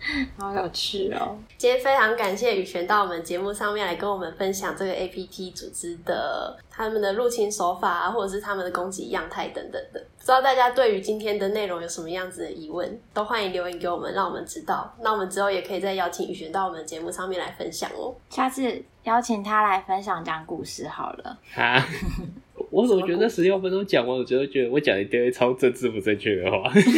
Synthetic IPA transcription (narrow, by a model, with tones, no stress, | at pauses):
jo˨˩ʊt͡ɕʰy̰˥˩ | t͡ɕi˥fe˥ɪʈ͡ʂʰɑ˧˥ŋka˨˩nɕjɛ˥˨y˨˩ɕɥɛ˧˥nt̪ɑ˥˩ʊwɔ˨˩mə˦nt͡ɕjɛ˧˦mu˥˧ʂɑ˥˧ŋmjɛ˥˩nla˧ɪkə˦nwɔ˨˩mə˨˦nfə˦nɕjɑ˨˩ŋʈ͡ʂɤ˥˩ɡə˩ʔe˥ɪpʰi˦˥t̪ʰi˥t͡su˨˩ʈ͡ʂɻ̩˥˦d̪ə̰˨t̪ʰa˥mə˨nd̪ə˨lu˥˩t͡ɕʰi˥nso˧˥fa˨˩a̰˨˦xwɔ˥˩ʈ͡ʂɤ˨˩ʂɻ̩˥˧t̪ʰa˥mə˨nd̪ə˩ko˥ŋt͡ɕḭ˧˥jɑ˥˧ŋt̪ʰa˥˩ɪt̪ə̰˨˩ŋt̪ə˨˩ŋd̪ə˩u̥˨ʈ͡ʂɻ̩˥d̪ɑ˥˧ʊt̪a˥˩t͡ɕja˥t̪we˥˩ɪy˧˥t͡ɕi˥nt̪ʰjɛ˥nd̪ə˨ne˥˩ɪɻo˧˥ŋjo˧˩ʊʂə˧˦mə˧jɑ˥˩ŋd͡zɹ̩˨d̪ə˩ʔi˧˥wə̰˥˨nt̪o˥ʊxwa˥˩ni˧˥nljo˧˥ʊi˧˥ŋke˧˥ɪwɔ˨˩mə̰˦nɻɑ˥˩ŋwɔ˨˩mə̰˨˦nʈ͡ʂɻ̩˥t̪ɑ˥˩ʊnɑ˥˩wɔ˨˩mə˨˦nʈ͡ʂɻ̩˥xo˥˩ʊjɛ˨˩kʰɤ˧˥i˨˩t͡sa˥˧ɪjɑ˥ʊt͡ɕʰi˧˥ŋy̰˨˩ɕɛ˧˥nt̪ɑ˥˩ʊwɔ˨˩mə̃˨˩n˨t͡ɕjɛ˧˦mu˥˩ʂɑ˥˧ŋmjɛ˥˩nla˧˥ɪfə̰˦nɕjɑ̰˨˩ŋə̰˨˦ɕja˥˧ʂɻ̩˥˩ | jɑ˥ʊt͡ɕʰi˨˩ŋt̪ʰa˦la˧˥ɪfə˦˥nɕjɑ˨˩ŋʈ͡ʂə˥jɑ˥˩ŋku˥˧ʂɻ̩˥˩xɑ˨˩ʊlə̰˦a˧˥ | wɔ˨˦wɔ˨˩t͡ɕɥɛ˧˥d̪ə˧ʂɻ̩˧˥ljo˥˧ʊfə˥nt̪o˥ʊt͡ɕjɑ˨˩ŋwa˧˥˩wɔ˨˩t͡ɕɥɛ˧˥d̪t͡ɕɥɛ˧˦d̪ə˧wɔ˧˦t͡ɕjɑ˨ŋd̪ə˨˧t̪i˥ŋwe˥˩t͡sʰɑ˥ʊt͡sə˥˧t͡sɹ̩˥˩pu˨˦t͡sa˥˧ɪt͡ɕʰy̰˥˩d̪ə̰˩xwa̰˥˩